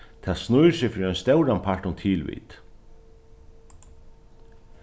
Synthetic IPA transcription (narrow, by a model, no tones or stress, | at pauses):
t̪ʰaːsnujɾsɪfɾiœjnst̪ɛwɾanpʰaɹ̥ʈʊnt̪ʰiːlʋḭːt̪